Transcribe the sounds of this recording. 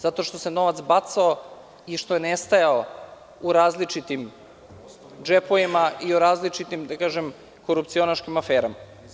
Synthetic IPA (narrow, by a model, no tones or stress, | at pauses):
zat̪o̞ʃt̪o̞se̞no̞ʋat̪sbat̪sao | iʃt̪o̞jenest̪ajao | uɾaːzlit͡ʂit̪im | d͡ʒepoimaʔioɾaːzlit͡ʂit̪imd̪akaːʒem | koɾup̚t̪sio̞naʃkimafeːɾama